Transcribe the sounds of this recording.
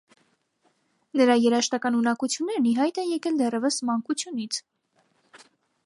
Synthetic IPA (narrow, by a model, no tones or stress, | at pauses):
nəɾɑjɛɾɑʃt̪ɑkɑnunɑkut͡sʰjunːɛɾniɦɑjt̪ɛnjɛkɛld̪ɛrɛvəsmɑŋkut͡sʰjunit͡sʰ